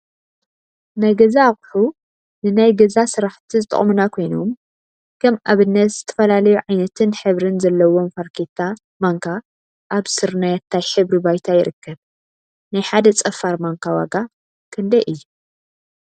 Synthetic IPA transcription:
najɡɐzaχʼħu | nɨnajɡɐzasɨɾaħt̪ʰizɨt̪ʼɨ̰χʼmunakʰo̞jnum | kʰɐmaβɨnːɐt̪z̥ɨt̪ʰɐ̥fɐlalɐjuʕajnɐt̪ʰɨnħɨβɾɨnzɐlːɐwomfaɾkʰet̪ʰa | maŋkʰa | ʔːβsɨɾnajat̪ʰːajħɨβɾibajt̪ʰajɪɾɨkːɐβ | najħad̪ɐt͡sʼɐfːaɾmaŋkʰawa̰ɡa | kʰɨnd̪ɐʔɨjːu

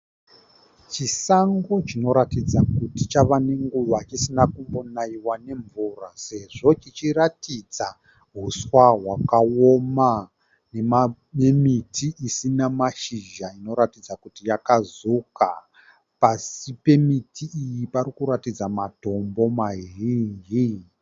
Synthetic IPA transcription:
t͡ʃisaŋɡo̞t͡ʃino̞ɾatid͡zakutit͡ʃaʋane̞ŋɡuʋat͡ʃisinakumbonaiwane̞ɱvurase̞ʐo̞t͡ʃit͡ʃiɾatid͡za | ɦuswaɦwakaoma | ne̞ma | emitʰiʔisinamaʃiʒaino̞ɾatid͡zakutijakazuka | pasipe̞mitʰiːjipaɾikuɾatid͡zamato̞mbo̞maɦiːnd͡ʒi

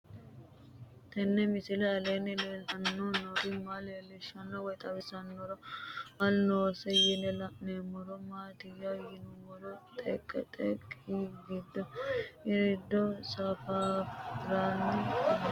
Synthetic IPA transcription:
t̪ɛnːɛmɪsɪlɛɐleːnɛlelɐnːonoɾɪmaleːlːɪʃːɐnːɔwɔjt̪ʼɐbɪsɐnːɔɾɐmɐlnoːsɛjɪlɛlɐʔnemɔɾɔmaːt̪ɪjɐjɪnʊmɔɾɔt̪ʼɛkʼːɛt̪ʼɛkʼːiɡɪd̪ːɔɪɾɪd̪ːɔsɐfaɾaːnːɛ

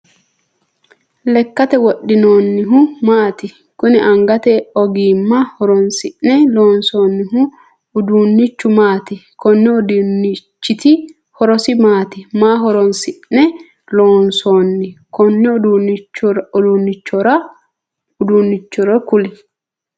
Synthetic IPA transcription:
lɛkːɐt̪ɛwɔɗːɪnoːnːɪɦʊmaːt̪ɪ | kʊnɪʔɐŋɡɐt̪ɛɔɡiːmːɐhɔɾɔnsɪʔnɛloːnsoːnːɪɦʊ | ʊd̪uːnːɪt͡ʃːʊmaːt̪ɪkɔnːɛɔdɪt͡ʃːɪt̪ɪ | hɔɾɔsɪmaːt̪ɪmaːɦɔɾɔnsɪʔnɛ | loːnsoːnːɪkɔnːɛd̪u | ɔd̪unːɪt͡ʃːɔɾɐ | ʊd̪uːnːɪt͡ʃːɔɾɔkʊlɛ

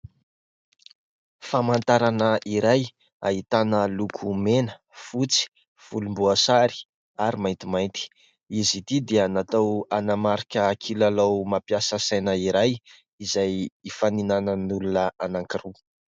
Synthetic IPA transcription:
famant̪aɾanəʔiɾaj | a̰ɦit̪anəlukʰumenə | fut͡si̥ | fulumbuasaɾi̥ | aɾimajnt̪imajnt̪i̥ | izit̪id̪eanat̪awanamaɾikʲəːkʰilalawmapijasəsajnəiɾaj | izajifaninanənulunəanaŋkiɾu

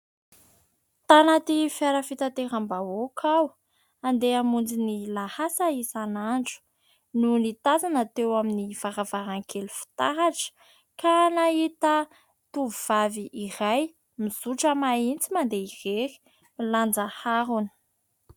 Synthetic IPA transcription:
t̪anat̪ifaɾəfit̪at̪eɾambaokʰaw | and̪eamund͡zinilahasaisanaɳɖ͡ʐu̥ | nunit̪azanat̪ewaminiv̥aɾavaɾaŋkʰelufi̥t̪aɦaʈ͡ʂə̥ | kanaɦit̪ə | t̪uvuv̥aviʔiɾaj | miz̥uʈ͡ʂəmaint͡simand̪eireɾi̥ | miland͡zahaɾunə̥

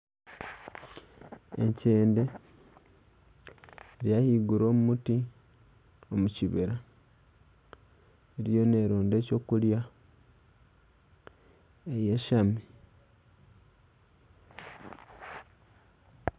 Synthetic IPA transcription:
ḛɲce̞ːnde̞ | ɾjahiːɡuɾo̞ːmumuti | o̞muciβiɾa | eɾjo̞ne̞ːɾoːnde̞ːco̞ːkulja | ejeʃami

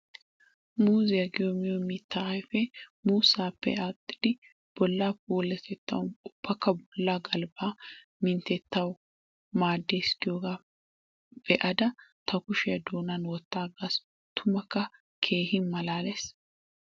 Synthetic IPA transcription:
muːzɪjɐɡɪjɔmɪjɔmɪt̪ːɐɐjfɛmuːsaːpːɛ̰at̪ʼːɪd̪ɪ | b̥ɔlːaːpoːlːɛt̪ɛt̪ːɐ̰wʊʊb̥ːɐkːɐbɔlːaːɡɐlbaː | mɪnt̪ɛt̪ːɐw | maːd̪ːeːɪskɪjoːɡaː | b̥ɛʔɐd̪ɐt̪ʰɐkʊʃɪjɐd̪oːnɐnwɔt̪ːaːɡas | t̪ʰʊmɐkːɐ | kʰe̞ːhɪnmɐlaːlɛs

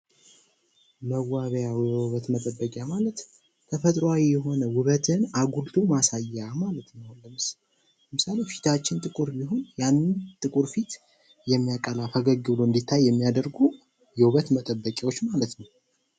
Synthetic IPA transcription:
məwːaβjawjɛwuβət̪mət̪ʼəbːəkʼamalət̪ | t̪ʰəfət̪ʼɾoawijɛɦo̞nəwʊβət̪ʰɨnaɡult̪ʰumasajːamalət̪honləmɨs | lləmɨsale̞fi̥t̪ʰat͡ʃːɪnt̪ʼɨkʼuɾbiɦo̞njanːɨt̪ʼɨkʼuɾfit̪ | jɛmːijakʼəlafəɡəɡːɨβloɨnd̪it̪ʰːajːɛmːijad̪əɾɡu | jɛwuβət̪mət̪ʼəbːəkʼiwo̞t͡ʃːmalət̪nəw

